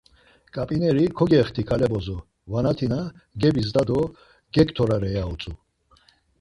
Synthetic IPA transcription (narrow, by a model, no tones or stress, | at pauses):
kʼapʼinɛɾikʰɔɡɛχt̪ʰikʰalɛbɔzɔ | vanat̪ʰinaɡɛbis̬d̪ad̪ɔ | ɡɛkʼt̪ʰɔɾaɾɛjaut͡sʼu